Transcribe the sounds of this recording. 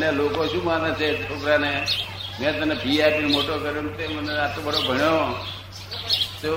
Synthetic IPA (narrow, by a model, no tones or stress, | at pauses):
njalokoʃũmãnet͡ʃʰeʈʰokɾanemɛ̃t̪ənepiapinmoʈokəɾjũt̪eməneat̪obəɽobʱəɳjo | t̪e